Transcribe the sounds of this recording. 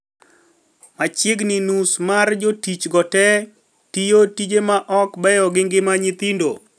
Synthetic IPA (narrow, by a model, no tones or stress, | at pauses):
mat͡ʃɪɡnɪnusmard͡ʒotit͡ʃɡɔtɛ | tijotid͡ʒemaʔɔkbɛjɔɡɪŋɡɪmaɲɪt̪indo̰